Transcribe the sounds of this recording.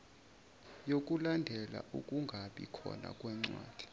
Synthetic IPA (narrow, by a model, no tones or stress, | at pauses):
jokʼulandʱɛla̰ʔukʼuŋɡʱaɓḭkʰɔ̰na̰kʼwɛŋ͡ǀwaːd̥ʱi̥